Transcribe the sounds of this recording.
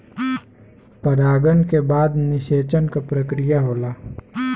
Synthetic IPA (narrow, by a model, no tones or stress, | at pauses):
pɐɾaːɡənkebaːd̪nɪʃeːt͡ʃənkapɾəkɾɪjaɦoːlaː